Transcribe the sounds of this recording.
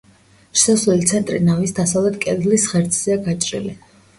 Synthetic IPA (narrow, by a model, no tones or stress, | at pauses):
ʃsɔsɛlit̪sʰɛnt̪ʼɾinavisd̪asavlɛt̪̚ʰkʼɛd̪lisʁɛɾt̪sʰʼzɛaɡat͡ʃʼɾḭli